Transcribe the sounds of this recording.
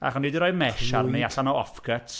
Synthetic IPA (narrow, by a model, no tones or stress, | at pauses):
a̰χɔnidiɾɔjmɛʃarniaɬanɔɔfkʰətʰ